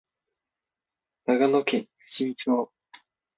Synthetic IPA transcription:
naɡanokẽŋ | ɯ̥ɕimʲit͡ɕoː

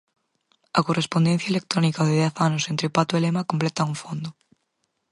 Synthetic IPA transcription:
ɐkorʔespond̪ẽn̟θjɐelek̚t̪ɾonikaðɪðɛθanʊsent̪ɾɪpat̪oelemakomplet̪auɱfond̪ʊ

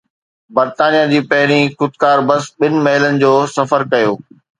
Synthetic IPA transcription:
bɐɾt̪aːnijad͡ʑiːpɐɦɪɽ̃ikʊt̪̚kaːɾbɐsɓɪnɪ̆mɐɦɪlənɪ̆d͡ʑoːsɐfəɾkɐjoː

